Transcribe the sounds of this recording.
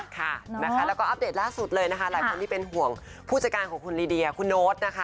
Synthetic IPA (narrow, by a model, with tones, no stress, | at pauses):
kʰa˥˩na˦˥kʰa˦˥lɛː˦˥wkɔː˥˩ʔa˦˥p̚deː˨˩t̪̚laː˥˩su˨˩t̪̚lɤː˧jna˦˥kʰa˦˥laː˨˩˦jkʰo˧nt̪iː˥˩pe˧nɦu˨˩əŋ | pʰuː˥˩t͡ɕa˧kaː˧nkʰɔː˨˩˦ŋkʰu˧nliː˧di˧a˧˩kʰu˧nːoː˦˥t̪̚na˦˥kʰa˦˩